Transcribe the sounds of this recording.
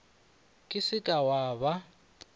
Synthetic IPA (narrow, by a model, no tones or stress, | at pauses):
kʼɪsɪkʼawaːβa